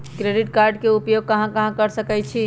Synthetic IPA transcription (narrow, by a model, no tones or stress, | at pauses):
kɾeɖiʈkaɾɖkeupjoɡ̚kəɦãkəɦãkəɾsəkɛt͡ʃʰi